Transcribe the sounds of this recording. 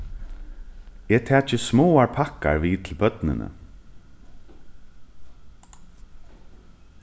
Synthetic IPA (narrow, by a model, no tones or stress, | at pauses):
ɛːt̪ʰɛːt͡ʃəsmoːaɹpʰaka̰ɹʋiːt̪ʰɪlbœt̪nɪ̰nʔə̰